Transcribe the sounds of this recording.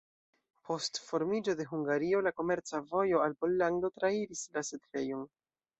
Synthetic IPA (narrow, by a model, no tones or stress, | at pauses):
pʰo̞stfo̞ɾmid͡ʒo̞de̞ɦuŋɡaɾio̞lako̞me̞ɾt͡savo̞jo̞alpo̞lːaŋdo̞tɾaiɾislasetve̞jon